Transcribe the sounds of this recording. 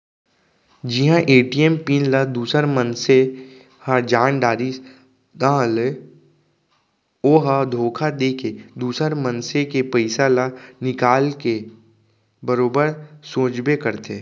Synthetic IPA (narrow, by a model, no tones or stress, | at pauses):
d͡ʒɪɦãʔeːʈiɛmpiːnlad̪uːsəɾmənse | had͡ʒaːnɖaːɾis | d̪ãːɦle | oːɦad̪ʱoːkʰad̪eːkʰed̪uːsəɾmənsekepəɪsalanɪkaːlke | bəɾoːbəɾsoːt͡ʃbekəɾt̪eː